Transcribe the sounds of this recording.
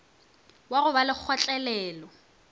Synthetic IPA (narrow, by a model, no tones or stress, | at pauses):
waɣʊbalɪk͡xʰɔt͡ɬʼɛlɛːlɔ